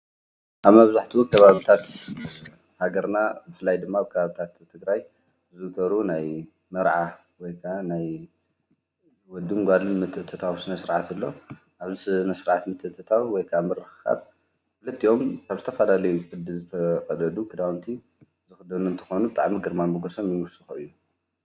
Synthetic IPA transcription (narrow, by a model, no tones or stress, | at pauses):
ʔaβmɐβzaħt̪ʰiwkʰɐβaβit̪ʰat̪ | haɡɐɾnabɨfɨlːajd̪ɨmːaβkʰɐβaβit̪ʰat̪ʰːɨɡɾaj | zɨt̪ʰɐɾunaj | mɨɾʕa | wɔjkʰaʔanaj | wɔd̪ɨŋɡʷalɨnmɨt̪ʼːɨt̪ʰːɨt̪ʰawsɨnɐsɨɾʕat̪ɨlːo̞ | ʔaβzisɨnɐsɨɾʕat̪mɨt̪ʼɨt̪ʰɨt̪ʰawwɔjkʰaʔamɨɾɨxɨxa̰β | fɨlɨt̪ʰːio̞mkʰaβzɨt̪ʰɐfɐlalɐjukʼʰɨd̪ːɨlzɨt̪ʰɐkʼɐlɐlukʰɨd̪awnt̪ʰi | zɨxɨd̪ɐnuɨnt̪ʰɨ̥xo̞nubɨt̪ʼa̰ʕmiɡɨɾmaɨɡoso̞mjɪmɨsɨxuɨjːu